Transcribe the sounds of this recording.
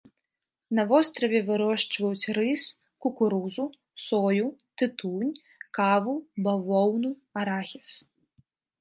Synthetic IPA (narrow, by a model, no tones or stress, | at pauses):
nɐvɔst̪ɾɐvʲɛvɨɾɔʂt͡ʂvɐjut͡sʲrɨs | kukuɾuzu | sɔjut̪ɨt̪unʲ | kavubavɔwnuɐɾaxʲɛs